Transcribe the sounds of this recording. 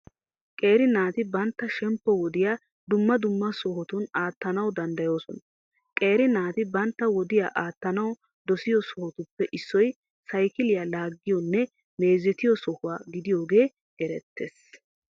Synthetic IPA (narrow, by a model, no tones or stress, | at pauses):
kʼe̞ːɾɪnaːt̪ɪbɐnt̪ːɐʃɛmpːɔwɔd̪ɪjaː | d̪ʊmːɐd̪ʊmːɐsɔhɔt̪ʊnaːt̪ːɐnɐwd̪ɐnd̪ɐjo̞ːsɔn | kʼe̞ːɾɪnaːt̪ɪbɐnt̪ːɐwɔd̪ɪjaːʔaːt̪ːɐnɐw | d̪ɔsɪjɔsɔhɔt̪ʊpːɛʔɪsːɔj | sɐjkɪlɪjaːlaːɡːɪjɔnːɛ | me̞ːzɛt̪ɪjɔsɔhʊwaːɡɪd̪ɪjo̞ːɡe̞ː | ɡɛɾɛt̪ʰːḛːs